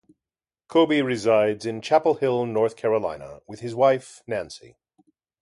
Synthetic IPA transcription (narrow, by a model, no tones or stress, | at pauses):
kʰobiɹɨzaɪdzɨ̃nt͡ʃʰæpl̩ˠhɪlˠnɔɹθkʰɛɹəlã̰ɪ̃nə̰wɨð̥ɨzwaɪf | næ̃nsḭ